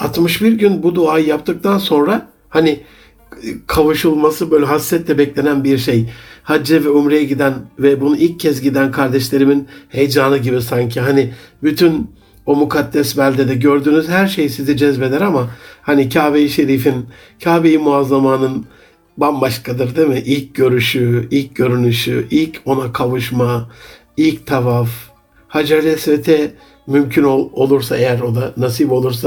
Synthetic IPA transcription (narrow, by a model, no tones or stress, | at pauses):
at̪mɯʃbiɾɟynbud̪uaːjɯjapt̪ʰɯk̚t̪ʰanso̞nɾa | hanɪ | kʰavuʃulˠmasɯbøjlʲɛɦasːɛt̪lʲɛbɛclʲenænbiɾʃejhad͡ʒːɛvɛumɾejɛɟid̪ænvɛbunuilʲcʰːɛs̬ɟid̪ænkʰaɾd̪ɛʃlʲe̞ɾiminhe̞jd͡ʒaːnɯɟibisaɲcʰiɦanɪbyt̪ʰyn | o̞mukʰad̪ːɛsbælʲd̪ɛd̪ɛɟø̞ɾd̪yːnyzhæɾʃe̞jisizid͡ʒɛzbe̞d̪ɛɾamahanicʰaːvejiʃe̞ɾifin | cʰaːbejimuazlˠamaːnɯn | banbaʃkʰad̪ɯɾd̪emɪʔilʲcɟø̞ɾyʃyilʲc̚ɟø̞ɾynyʃyʔilʲcʰo̞nakʰavɯʃma | ilʲct̪ʰavaf | had͡ʒaɾlɛsɾet̪ʰɛ | mymcʰynoo̞lˠuɾsaejæɾo̞d̪anas̬ibo̞lˠuɾs̬a